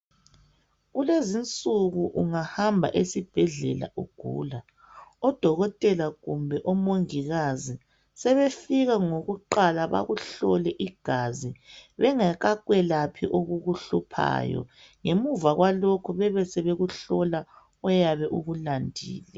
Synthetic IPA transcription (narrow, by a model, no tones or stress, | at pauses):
ɣulezint͡sʼuɣuʔuŋahambʱa̰ʔesib̥ʱɛɮɛla̰ʔṵɡ̥ʱṵːla | ɔd̥ʱɔɣɔtʼɛlaɣumbʱɛʔɔmoŋiɣazi | sɛβefiɣaŋoɣuǃalaβa̰ɣuɬɔlɛʔiɡ̥ʱaziβɛŋaɣaɣwɛlapʰiʔoɣuɣuɬupʰa̰ːjɔ̰ | ŋemuvaɣwalokʰuβɛβɛsɛβeɣuɬɔla | ɔjaβɛʔuɣulandʱḭːlɛ